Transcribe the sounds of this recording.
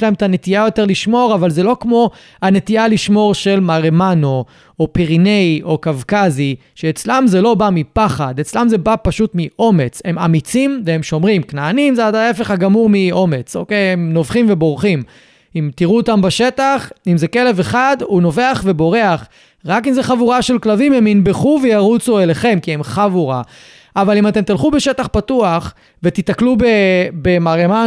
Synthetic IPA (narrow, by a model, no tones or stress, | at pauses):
ʃlaemet̪anet̪iajo̞te̞ʁliʃmo̞ʁavalzelo̞kmo̞ | ane̞t̪ialiʃmo̞ʁʃe̞lmaʁemano̞ | opiʁine̞jʔo̞kavkazi | ʃeːt͡slamzelo̞bamipaχad̪e̞t͡slamzebapaʃutmiʔo̞me̞t͡she̞ma̰mit͡simveemʃo̞mʁimknaːnimzeadaefeχaɡamuʁmiʔo̞me̞t͡so̞̰kejemno̞vχimvebo̞ʁχim | imt̪iʁuot̪ambaʃe̞t̪aχimzeke̞le̞veχad̪uno̞ve̞aχve̞bo̞ʁe̞aχ | ʁakimzeχavuʁaʃelklavimhe̞minbe̞χuvejaʁut͡sueleχe̞mkiemχavuʁa̰ | ʔavalimat̪e̞mt̪ilχube̞ʃe̞t̪aχpatuaχ | vet̪itaklubebemaʁema